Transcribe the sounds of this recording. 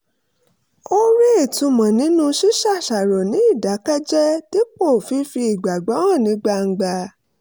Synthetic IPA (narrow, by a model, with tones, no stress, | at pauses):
o˦ɾi˦e˦˨tũ˨˧mɔ̃˨nĩ˨˦nũ˦ʃi˦ʃa˦˨ʃa˨ɾɔ˨nĩ˨˦i˦˨da˨˦ka˦d͡ʒɛ˦ti˦k͡po˦˨fi˧˦fi˧i˨ɡ͡ba˨ɡ͡ba˨˦w̃ɔ̃˦˨nĩ˨˦ɡ͡ba˧ŋ̩˨˧ɡ͡ba˧